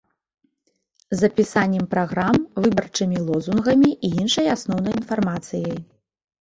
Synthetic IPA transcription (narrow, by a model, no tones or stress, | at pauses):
zːɐpʲisanʲːɛmpɾaɣɾamvɨbɐrt͡ʂɨmʲilˠɔzunɣɐmʲiʔiinʂɐjasnɔwn̪ɐjin̪farmat̪sɨjɐj